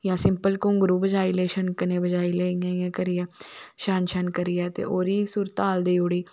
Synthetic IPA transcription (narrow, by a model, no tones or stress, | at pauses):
jãːsɪmpəlkõŋɡɾuːbəd͡ʒaːiːleːʃənkəneːbəd͡ʒaːileːãːjãːkəɾɪjɛːʃaːnʃənkəɾɪjɛːt̪ḛːʔoːɾiːsuːɾt̪aːld̪iːʊɽiː